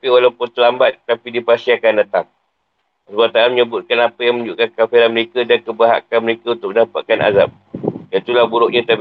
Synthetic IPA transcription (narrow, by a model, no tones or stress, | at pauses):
piwalawpʊnt̪əlambat̪̚ːapidipasiakandat̪aŋ | əsbat̪aanməɲəbʊt̪̚kanapəjaŋmə̃ɲd͡ʒuʔkankafiɾanməɾekadankəbəɦa̰kanməɾekaunt̪ʊk̚mənapa̰t̪̚kanʔa̰za̰p̚ | jait̪ulahbuɾʊʔ̚ɲãt̪a